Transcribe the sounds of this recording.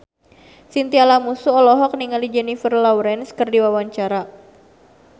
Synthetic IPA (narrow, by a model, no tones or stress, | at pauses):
sint̪ialamusuɔlɔɦɔk̚niŋalid͡ʒɛnifərlawɾɛnskɨrdiwawaɲt͡ʃaɾa